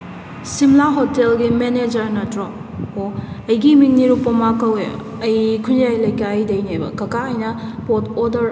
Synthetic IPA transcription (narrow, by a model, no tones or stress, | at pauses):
simlaɦotelɡimened͡ʒɐɾnɐtɾɔ | oɐjɡimiŋniɾupːɐmakɐwḛ | ɐjkʰunjajlɐjkajdɐjnebɐ̰kɐkaɐjnɐpotɔdɐɾ